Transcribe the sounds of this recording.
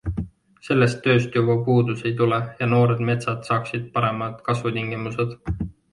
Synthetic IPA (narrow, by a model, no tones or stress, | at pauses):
se̞lːe̞st̪ːø̞ːst̪jubɑpuːd̪use̞jt̪ulejɑno̞ːɾe̞d̪̥me̞t̪sɑd̪̥sɑːksid̪̥̚pɑɾe̞mɑd̪̥kɑsvut̪iŋɡimuse̞d̪̥